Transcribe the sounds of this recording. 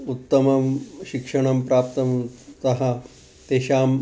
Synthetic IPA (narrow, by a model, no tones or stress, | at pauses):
ut̪ːɐmɐmɕikʂɐɳ̃ɐmpɾaːp̚t̪ɐmt̪ɐɦɐ | t̪eːɕaːm